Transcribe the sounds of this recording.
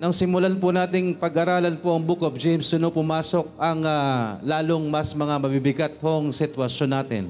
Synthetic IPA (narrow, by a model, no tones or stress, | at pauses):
nɐŋsɪmʊlanpʊnaːt̪ɪŋpɐɡʔɐɾaːlɐnpoʔɐŋbukop̚d͡ʒɛjmsd̪ʊnopʊmaːso̞k̚ʔɐŋalaːloŋmɐsmɐŋamɐbibɪɡat̪̚hoŋsɪt̪wɐʃjo̞nːaːt̪ɪ̰n